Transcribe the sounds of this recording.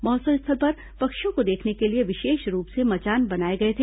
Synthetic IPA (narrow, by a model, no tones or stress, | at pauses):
mɔːsɐɪst̪ʰəlpɐɾ | pɐkʃjõkod̪eːkʰnekelieʋɪʃeːʃɾuːpsemɐt͡ʃaːnbɐnaːeɡɐet̪ʰeː